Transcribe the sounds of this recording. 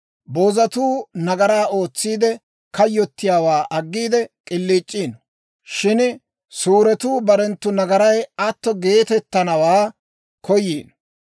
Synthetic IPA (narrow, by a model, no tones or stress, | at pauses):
boːzɐt̪uːnɐɡɐɾaːʔo̞ːt͡sːiːd̪ɛ | kɐjːɔt̪ːɪjaːwaːʔɐɡːiːd̪ɛkʼɪlːiːt͡ʃʼːiːn | ʃɪn | suːɾɛt̪uːbɐɾɛnt̪ːʊnɐɡɐɾɐjɐt̪ːɔɡe̞ːt̪ɛt̪ːɐnɐwaː | kʰɔjeːn